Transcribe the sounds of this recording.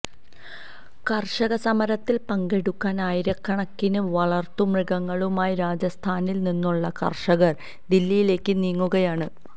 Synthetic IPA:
kɐrʂɐɣɐsɐmɐɾɐt̪ːilpɐŋɡe̞ɽukːaːnaːjiɾɐkːɐɳɐkːinuʋɐɭɐrt̪umriɣɐŋːɐɭumaːjiɾaːd͡ʑɐst̪ʰaːnilninːuɭːɐkɐ̰rʂɐɣɐr | d̪ilːijile̞ːkːɨniːŋːuɣɐjaːɳɨ

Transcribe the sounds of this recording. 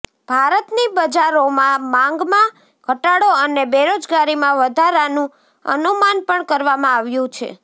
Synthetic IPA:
b̥ʱaɾət̪nibəd͡ʒaɾomãmãŋɡmã | kəʈaɽoənebeɾod͡ʒɡaɾimãʋəd̪ʱaɾanũ | ə̰numanpəɳkəɾʋamãaʋjũt͡ʃʰḛ

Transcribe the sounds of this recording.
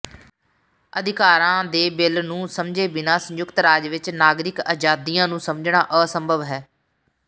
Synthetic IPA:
əd̪ɪkaːɾãːd̪eːbɪlnũːsəmd͡ʒeːbɪnaːsə̃jʊkt̪ɾaːd͡ʒʋɪt͡ʃnaːɡɾɪkaːd͡ʒaːd̪ijãːnũːsəmd͡ʒɳaːʔəːsəmbʱəʋɦɛː

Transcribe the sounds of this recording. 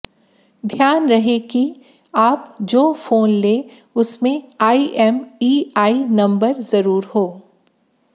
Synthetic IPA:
d̪ʱjaːnɾɐɦeki | aːpd͡ʒoːfoːnleː | ʊsmẽaːiʔɛmiːaːinɐ̃mbəɾzɐɾuːɾhoː

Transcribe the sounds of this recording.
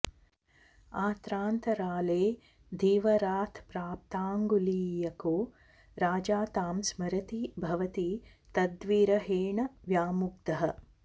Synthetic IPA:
aːt̪ɾaːnt̪ɐɾaːleː | d̪ʱiːʋɐɾaːt̪ʰpɾaːp̚t̪aːŋɡuliːjɐkoː | ɾaːd͡ʒaːt̪aːmsmɐɾɐt̪ibʱɐʋɐt̪i | t̪ɐd̪ʋiːɾɐɦeːɳɐʋjaːmuɡ̚d̪ɐɦɐ

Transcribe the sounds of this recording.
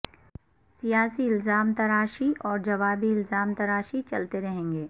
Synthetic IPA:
sijaːsiɪlzaːmt̪ɐɾaːʃiʔɔːɾd͡ʒɐʋaːbiɪlzaːmt̪ɐɾaːʃit͡ʃɐlt̪eɾɐɦẽːŋɡeː

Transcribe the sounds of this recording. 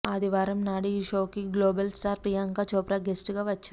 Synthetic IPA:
ad̪iʋaːɾɐmnaːɽiʃoːkiɡloːbɐlsʈaːɾpɾijaŋkat͡ʃɔːpɾaɡesʈɡaːʋɐt͡ʃːɐ

